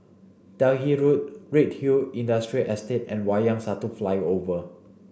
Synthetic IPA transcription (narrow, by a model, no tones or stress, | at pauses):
d̥ɛɦiɹut̚ɹit̚hiĩndastɹiʔɛstetɛ̃nwajãŋsatuflajovə